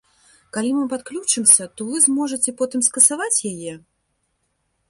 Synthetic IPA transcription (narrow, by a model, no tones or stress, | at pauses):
kalʲimɨpat̪̚klʲut͡ʂɨmsʲɐt̪ɔvɨzmɔʐɐt͡sʲɛpɔt̪ɨmskɐsavat͡sʲjajɛ